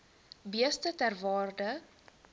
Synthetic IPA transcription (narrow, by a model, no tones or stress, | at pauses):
biəstətærvɑːrdə